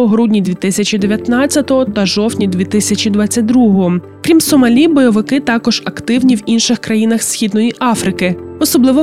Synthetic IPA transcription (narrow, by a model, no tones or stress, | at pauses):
ɔɦɾudʲnʲid̪ʲʋʲit̪ɪsʲɐt͡ʃid̪eʋʲjɐt̪nɑt͡sʲːɐt̪ɔɦɔt̪ɐʒɔwt̪ʲnʲid̪ʲʋʲit̪ɪsʲɐt͡ʃʲid̪ʋɑt͡sʲːɐt̚ʲd̪ɾuɦɔɦɔ | kɾʲimsɔmɐlʲibɔjɔʋɪkɪt̪ɑkɔʒ̥ɐkt̪ɪwnʲiwinʃɪxkɾɐjin̪ɐxsʲxʲid̪nɔjiʔɑfɾɪkɪɔsɔblˠɪʋɔ